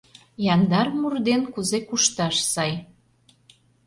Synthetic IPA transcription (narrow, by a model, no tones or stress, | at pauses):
jɑnd̪ɑrmurd̪enkuzekuʃt̪ɑʃsɑj